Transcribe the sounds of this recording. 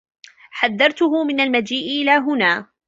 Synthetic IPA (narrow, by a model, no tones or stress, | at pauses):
ħaðːɑɾˤt̪ʊɦʊmɪnalmad͡ʒiːʔʔɪlaːɦʊnaː